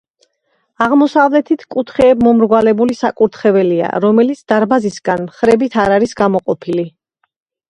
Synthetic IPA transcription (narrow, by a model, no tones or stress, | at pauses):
aʁmɔsavlɛt̪ʰit̪ʰkʼut̪ʰχɛːbmɔmɾɡwalɛbulisakʼuɾt̪ʰχɛvɛlia̰ɾɔmɛlit̪sʰd̪̥aɾbazisɡanmχɾɛbit̪ʰaɾaɾisɡamɔqʼɔpʰili